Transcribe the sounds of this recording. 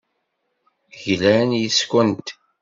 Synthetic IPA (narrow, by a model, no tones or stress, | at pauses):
ʝlænjəskʷənt̪